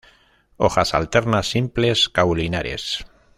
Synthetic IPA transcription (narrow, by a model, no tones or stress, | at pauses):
oxasa̰lt̪eɾnasːimpleskawlinaɾe̞̰s